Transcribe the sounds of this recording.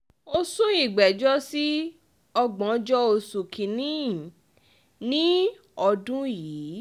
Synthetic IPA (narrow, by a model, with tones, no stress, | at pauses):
o˧sũ˦i˦˨ɡ͡bɛ˨d͡ʒɔ˦si˦ | ɔ˧ɡ͡bɔ̃˨˦d͡ʒɔ˦o˧su˨kʰi˨nĩ˦˨ | nĩ˦ | ɔ˧dũ˦jiː˨˦